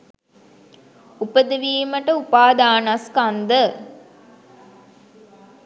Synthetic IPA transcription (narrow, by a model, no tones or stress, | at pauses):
upəd̪əʋiːməʈəupaːd̪aːnaskand̪ə